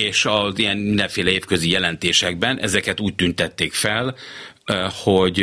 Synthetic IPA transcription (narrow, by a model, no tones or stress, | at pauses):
eːʃɒzijɛnmind̪ɛ̃ɱfeːlɛeːfkøzijɛlɛnt̪eːʃɛɡ̚bɛnʔɛ̰zɛkɛt̪uːc̚t̪ynt̪ɛt̪ːeːkfɛl | ho̞ɟ